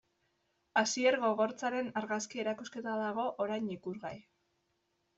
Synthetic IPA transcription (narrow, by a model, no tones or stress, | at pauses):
asieɾɣo̞ɣ̞o̞ɾt͡saɾe̞naɾɣaskie̞ɾakuske̞t̪aðaɣo̞ʔoɾajnikuɾɣaj